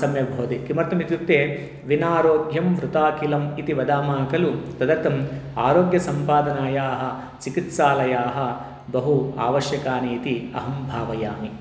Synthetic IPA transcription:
sɐmjɐbʱoːd̪ikimɐɾt̪ɐmit̪jut̪ːeː | ʋinaːɾoːɡjɐmʋɾut̪aːkilɐmit̪iʋɐd̪aːmaːkɐlut̪ɐd̪ɐɾt̪ɐmaːɾoːɡjɐsɐmpaːd̪ɐnaːjaːɦɐ̆ | t͡ʃikit̪saːlɐjaːɦɐ̆ | bɐɦua̰ːʋɐʃjɐkaːniːt̪iɐ̰ɦɐmbʱaːʋɐjaːmi

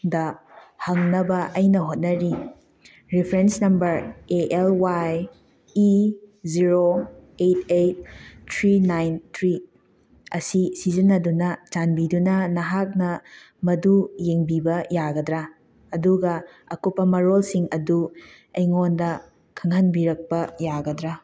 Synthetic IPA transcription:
dɐhɐŋnɐbɐʔɐjnɐɦot̚nɐɾi | ɾipʰɾensnɐmbɐɾeʔelwaj | iziɾoet̚ʰejt̚tʰɾinajntʰɾi | ɐsisizinːɐdunɐt͡ʃanbidunɐnɐɦak̚nɐ | mɐdujeŋbibɐjaɡɐdɾa | ɐduɡɐ | ɐkupːɐmɐɾolsiŋɐdu | ejŋondɐ | kʰɐŋhɐnbiɾɐk̚pɐjaɡɐdɾa

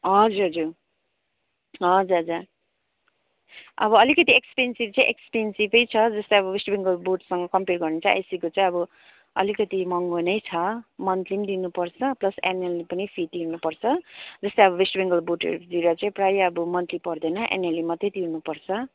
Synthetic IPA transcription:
ɦʌd͡zuɾɦʌd͡zuɾ | ɦʌd͡zuɾɦʌd͡zuɾ | ʌ̰bʌʌlikʌt̪iekspensibt͡sãĩʔekspensibʌjt͡sʰʌd͡zʌst̪ʌjʌbʌwesʈbiŋɡʌlboʈsʌŋɡʌkʌmperɡʌrnet͡sʰʌʔḛsikot͡sãĩʌbʌ | ʌ̰likʌt̪imʌŋɡonʌjt͡sʰʌmʌnt̪limd̪inupʌrt͡sʰʌplʌsenelipʌnipʰiʈiɦunupʌrt͡sʰʌd͡zʌst̪ejʌbʌbesʈbiŋɡʌlboʈḛɾd̪iɾʌt͡saĩprajʌbʌmʌnt̪lipʌrd̪ʌnʌʔḛnelimʌt̪et̪iɦunupʌrt͡sʰʌ

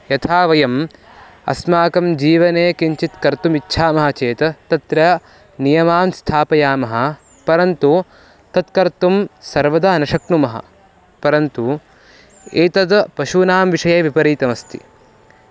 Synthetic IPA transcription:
jɐt̪ʰaːʋɐjɐm | ɐ̰smaːkɐmd͡ʒiːʋɐneːkiɲt͡ʃit̪kɐɾt̪umitːʃʰaːmɐɦɐt͡ʃeːt̪ɐt̪ɐt̪ɾɐ | nijɐmaːmst̪ʰaːpɐjaːmɐɦɐ | pɐɾɐnt̪u | t̪ɐt̪kɐɾt̪umsɐɾʋɐd̪ɐnɐʃɐknumɐɦɐ̰ | pɐɾɐnt̪u | eːt̪ɐd̪pɐʃunaːmʋiʂɐjeːʋipɐɾiːt̪ɐmɐst̪ʰḭ

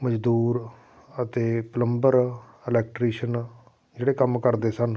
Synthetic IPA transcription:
məd͡ʒd̪uːɾ | ət̪eːpələmbəɾ | ɪlɛːk̚ʈɾiːʃən | d͡ʒeːɽeːkəmkəɾd̪eːsən

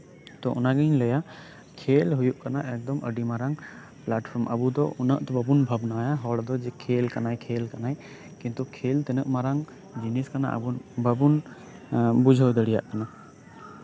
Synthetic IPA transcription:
t̪ɔʔɔnaɡɛɲlɛja | kʰelɦujuʔkanaʔɛk̚d̪ɔmə̰ɖimaɾaŋ | plaʈpʰɔɾmʔə̰bud̪ɔʔɔnə̰ʔt̪ɛbəbunbʱabnajaɦɔɽd̪ɔd͡ʒɛkʰelkanajkʰelkanaj | kĩnt̪ukʰelt̪ɛnəʔmaɾaŋ | d͡ʒiniskana̰ʔə̰bunbəbun | bud͡ʒʱəwd̪əɽija̰ʔkana

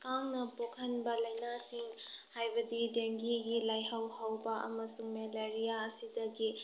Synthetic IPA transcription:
kaŋnɐpokʰɐnbɐlɐjnasiŋhajbɐdideŋɡiɡilajhɐwhɐwbɐʔɐ̰mɐsuŋmeleɾijaɐsidɐɡi

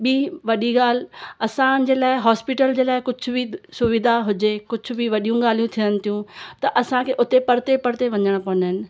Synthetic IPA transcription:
ɓiːʋɐɗiɡaːl̤ɪ̆ɐsãd͡ʑeːlaːɪɦɔːspɪʈəld͡ʑeːlaːɪkʊd͡ʑʱʊbɪsʊʋɪd̪ʱaɦʊd͡ʑekʊd͡ʑʱʊ̆bʱɪʋɐɗijũɡaːl̤ijũt̪ʰijənɪ̆t̪ʰijũt̪ɐʔɐsãkʰeːʔʊt̪epɐɾt̪epɐɾt̪eʋɐɲəɽ̃pɐʋnəɦɪnɪ̆

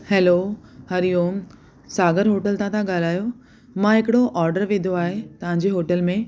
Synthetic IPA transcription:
hɛːlohɐɾijoːm | saːɡəɾɦoːʈəlt̪ãt̪ʰãɠaːl̤aːjo | mãɦɪkɪɽoʔɔːɾɖəɾʋẽːd̪ʱoaːɦet̪ɐʋ̤ãɲd͡ʑeɦoːʈəlmẽ

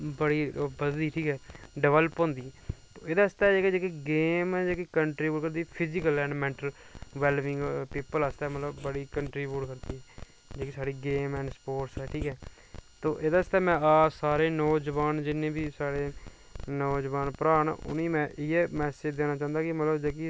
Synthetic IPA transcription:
bəɽiːbəd̪d̪iːʈʰiːkɛːɖəʋələpɦõːnd̪iːt̪oːeːd̪aːst̪aːd͡ʒeːked͡ʒeːkiɡeːmɛːd͡ʒeːkikəɳʈɾiːbuːʈkəɾd̪iːpʰɪzɪkəlɛ̃ːɳɖmɛ̃ːɳʈəlʋɛːlʋɪ̃ŋɡpiːpəlast̪ɛːmət̪ləbːəɽiːkəɳʈɾiːbjuːʈkəɾd̪iːɛː | d͡ʒeːkiːsaːɽiːɡeːmɛ̃ːɳɖspoːɾʈsɛːʈʰiːkɦɛː | t̪oːʔed̪aːɪst̪ɛːmɛ̃ːaːsaːɾeːnɔːd͡ʒəʋaːnd͡ʒɪnːẽːbiːsaːɽeː | nɔːd͡ʒʋaːnpəɾaːɳ̰ːʊ̰niːmɛ̃ːʔɪɛːmɛːsed͡ʒd̪eːnaːt͡ʃãːnd̪aːkɪmət̪ləbd͡ʒeːk̬i

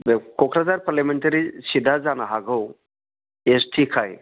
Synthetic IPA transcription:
bekokɾad͡zaɾpaɾlameɳʈəɾisid̪ʱad͡zanaɦaɡʱəw | esʈʰikʰaj

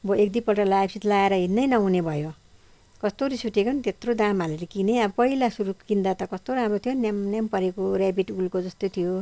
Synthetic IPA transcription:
bʌek̚d̪ipʌlʈʌlajbsit̪laeɾʌɦinːʌjnʌũnebʱʌjo | kʌst̪oɾisuʈekont̪et̪rod̪amaleɾikineʌbʌpʌɦilasuɾukind̪at̪ʌkʌst̪oɾãmrot̪ʰjonjamnjampʌɾekoɾabiʈulkod͡zʌst̪ot̪ʰijo

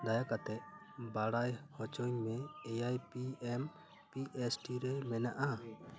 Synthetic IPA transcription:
d̪ajakat̪ɛʔ | baɽajhɔt͡ʃɔɲmɛɛjajpiɛm | piʔɛsʈiɾɛmɛnaʔa

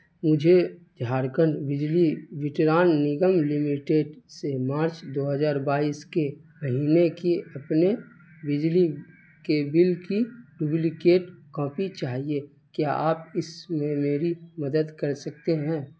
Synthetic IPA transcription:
mʊd͡ʒʱed͡ʒʱaːɾkənbɪd͡ʒliʋɪʈɾaːnːɪɡəmlɪmɪʈeːɖsemaːɾt͡ʃd̪oːɦəzaːɾbaːiːske | məɦiːnekeɐpne | bɪd͡ʒli | kebɪlkijʊblikeːʈkɔ̃ːpit͡ʃaːɦie | kjaʔaːpɪsmẽmeːɾiməd̪əd̪kəɾsək̚t̪eɦɛ̃ː

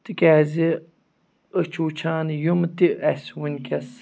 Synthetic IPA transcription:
t̪ikʲæːzi | ət͡ʃʰuːt͡ʃʰaːnjumt̪iʔæswunʲkʲɐs

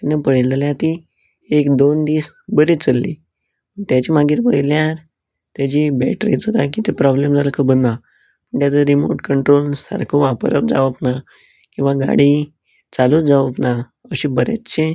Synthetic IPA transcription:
t̪anːəpəɽild͡zaljat̪i | ekd̪ond̪iːs | bəɾit͡səlːḭ | mət̪jat͡ɕimaɡiːɾpəɦjljaɾ | t̪jat͡ɕibɛ̰ʈɾḭd͡zəɡ̪ak̬it̪epɾɔblemd͡zaləkʰəbəna | əɳt̪jat͡səɾimo̰ʈkəɳʈɾolsa̰ɾkʰoʋapəɾəp̚d͡za̰ʋəpna | kĩw̃ʋaɡa̰ɽi | t͡salud͡zaʋəpna | əɕibəɾa̰tt͡ɕe

